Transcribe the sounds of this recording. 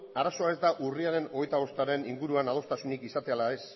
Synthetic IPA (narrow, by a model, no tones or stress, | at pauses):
aɾaso̞ae̞zd̪aʔuriaɾe̞no̞ɣ̞e̞jt̪aβ̞o̞st̪aɾe̞niŋɡuɾuanað̞o̞st̪asunikisat̪ealae̞s